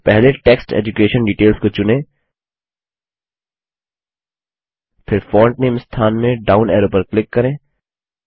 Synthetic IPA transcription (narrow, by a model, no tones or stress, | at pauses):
pɛɦleʈeːksʈḛːd͡ʒukeːʃənɖiːʈeːlskot͡ʃʊnẽː | pʰɪɾfɔːɾɳʈneːmst̪ʰaːnmẽɖaːʊnɛːɾopəɾklɪkːɐɾẽː